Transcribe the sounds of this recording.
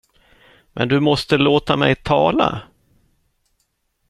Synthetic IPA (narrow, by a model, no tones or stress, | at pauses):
mʔɛ̰nd̪ɵmɔst̪əloːt̪amɛjt̪ʰɑːla̰